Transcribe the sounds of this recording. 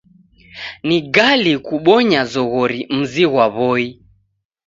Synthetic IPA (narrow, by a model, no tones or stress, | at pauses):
niɡalikuɓɔɲazɔɣɔɾim̩ziɣwaβɔi